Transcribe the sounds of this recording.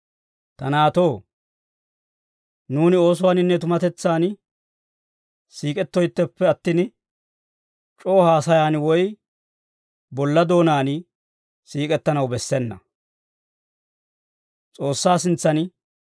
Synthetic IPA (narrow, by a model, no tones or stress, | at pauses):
t̪ɐnaːt̪o̞ː | nuːnɪo̞ːs̬ʊwaːnɪnːɛt̪ʊmɐt̪ɛt͡sːaːn | siːkʼɛt̪ːɔjt̪ːɛpːɛɐt̪ːiːn | t͡ʃʼo̞ːhaːsɐjaːnwɔj | bɔlːɐd̪o̞ːnaːn | siːkʼɛt̪ːɐnɐwbɛsːɛnːɐ̰ | t͡sʼo̞ːsːaːsɪnt͡sːɐn